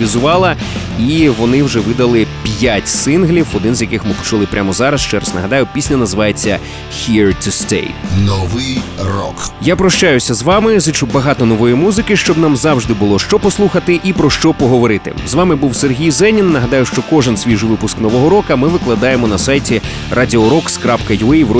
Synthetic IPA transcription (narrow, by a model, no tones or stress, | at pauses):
izʊʋɑlˠɐ | iʋɔnɪwʒɛʋɪd̪ɐlˠɪpʲjatʲsɪnɦlʲiwɔd̪ɪnzʲjɐkɪxmɪpɔ̥t͡ʃulˠɪpɾʲʔamɔzɑɾɐsʃt͡ʃɛɾɐsnɐ̰ɦɐd̪ɑjʊpʲisʲnʲɐnɐzɪʋɑjet͡sʲːɐ | hʲirt̪ʊst̪ḛjnɔʋɪjrɔ̰kjapɾɔʃt͡ʃajʊsʲɐzʋɑmɪzit͡ʃubɐɦɑt̪ɔnɔʋɔjimuzɪkɪʃt͡ʃɔbnɑmzɑwʒd̪ɪbʊlˠɔʃt͡ʃɔpɔslˠuxɐt̪ɪʔipɾɔʃt͡ʃɔpɔɦɔʋɔɾɪt̪ɪ̰zʋɑmɪbuwserɦʲijzɛnʲinːɐɦɐd̪ɑjʊʃt͡ʃɔkɔʒɪnsʲʋʲiʒʊʋɪpʊsknɔʋɔɦɔɾɔkɐmɪʋɪklˠɐd̪ɑjemɔnɐsɑjtʲi | rʔɑdʲiɔɾɔkskɾɑpkɐjɛwɔ